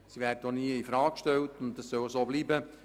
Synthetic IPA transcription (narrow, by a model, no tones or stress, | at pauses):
siʋæːɾdədoniəifɾɑːkʃtɛltʊntdɑssœwəsoːbliːbə